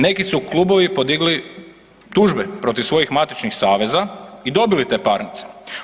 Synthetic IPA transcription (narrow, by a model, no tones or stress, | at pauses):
ne̞kisukluːbo̞ʋipo̞d̪iɡli | t̪uːʒbepɾo̞t̪iʋsʋo̞jixmat̪it͡ʃnixsaːʋe̞zaid̪o̞bilit̪e̞ːpaɾnit̪se̥